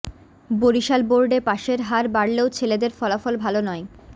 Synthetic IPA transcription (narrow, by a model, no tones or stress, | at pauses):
boɾiʃalboɾɖepaʃeɾɦaɾbaɾleot͡ɕʰeled̪eɾfɔlafɔlbʱalonɔe